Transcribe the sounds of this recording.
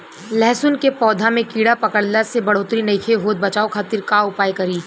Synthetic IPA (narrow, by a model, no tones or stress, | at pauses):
lɛːsʊnkepɔːd̪ʱamẽkiːɽapɐkəɽlasebɐɽ̤oːt̪ɾinɐɪkʰeɦoːt̪̚bɐt͡ʃaːoxʰaːt̪iɾkaːʊpaːjkɐɾiː